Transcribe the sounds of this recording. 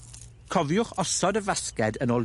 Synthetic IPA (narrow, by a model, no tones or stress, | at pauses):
kʰɔvjʊχɔsɔdəvaskɛdənoːlˠ